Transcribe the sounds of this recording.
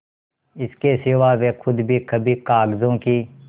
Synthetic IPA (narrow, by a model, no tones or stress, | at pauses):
ɪskesɪʋaːʋekʰʊd̪bʱiːkəbʱiːkaːɡzõːkiː